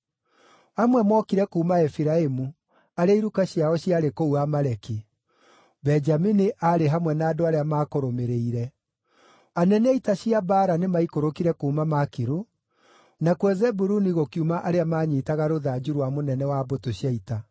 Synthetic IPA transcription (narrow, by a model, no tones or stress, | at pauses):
amwɛmɔkiɾɛkuːmaɛfiɾaemu | aɾeaiɾukaɕjaɔɕiaɾekouamaɾɛki | bɛɲd͡ʒaminiʔaɾeɦamwɛnaːdoaɾeamaːkoɾomeɾeiɾɛ | anɛnɛitaɕiabaːɾanemaikoɾokiɾɛkoumamakiɾu | nakwɛzɛbuɾuniɣokiumaʔaɾeamaɲiːtaɣaɾoðad͡ʒuɾwamonɛnɛwaːbotoɕjaita